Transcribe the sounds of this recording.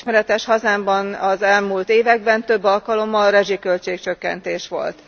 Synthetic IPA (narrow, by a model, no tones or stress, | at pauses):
ʃmɛɾɛt̪ɛʃhɒzaːmbɒnɒzɛlmuːlt̪eːvɛɡ̚bɛnt̪ø̞bːɒlkɒlo̞mːɒlrɛʒikø̞lt͡ʃeːk̚t͡ʃø̞kːɛ̰nt̪eːʃʋo̞̰lt̪